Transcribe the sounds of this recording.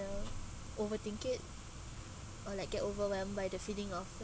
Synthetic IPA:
ə | ʔovətĩŋkət̚ | ɔlaɪk̚ɡ̥ɛtovəwɛlmbajdəfidĩŋɔf

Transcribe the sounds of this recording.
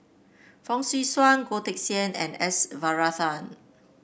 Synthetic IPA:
fɔ̃ŋsiswãnɡotɛk̚siə̃nɛ̰̃nɛsvaɹaθãn

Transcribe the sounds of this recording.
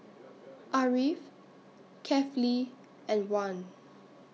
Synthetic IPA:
ʔaɹif | kʰɛfɔli | ʔɛ̃nwãn

